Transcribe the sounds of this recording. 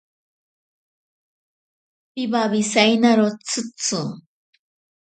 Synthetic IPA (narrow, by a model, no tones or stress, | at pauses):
pibaβisajnaɾot͡sɨt͡sʊ